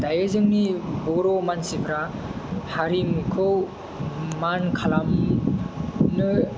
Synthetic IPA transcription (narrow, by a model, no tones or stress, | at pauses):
dajɯzɯŋnibɔɾɔmansibʰɾahaɾimukʰɯw | mankʰalam | nɯ